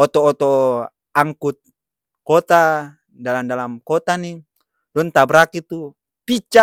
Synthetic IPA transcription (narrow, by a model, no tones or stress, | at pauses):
ɔt̪ɔːt̪ɔ | aŋkut̪̚ | kɔt̪a | dalandalamkɔt̪ani | dɔnt̪abɾakit̪u | pit͡ʃa